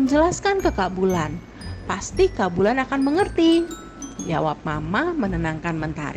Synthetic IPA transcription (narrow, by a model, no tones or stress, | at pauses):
əɲd͡ʒəlaskankəkabulan | past̪ikabulanakanməŋərt̪i | d͡ʒa̰wap̚mamamənənaŋkanmənt̪a̰ɾi